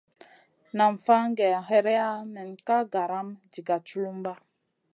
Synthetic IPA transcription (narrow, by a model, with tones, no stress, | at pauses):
na˨mfa˦ŋ˦ɡe˨a˨ɦe˦ɾe˦a˦mɛ˨nka˦ɡa˨ɾa˦md͡ʒi˨ɡa˨t͡ʃu˦lu˦mba˦